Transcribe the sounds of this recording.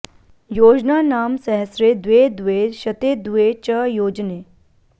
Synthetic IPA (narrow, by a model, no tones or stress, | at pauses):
joːd͡ʒnaːnaːmsɐɦəsɾed̪ʋeːd̪ʋeɕɐt̪eːd̪ʋet͡ɕəjoːd͡ʒneː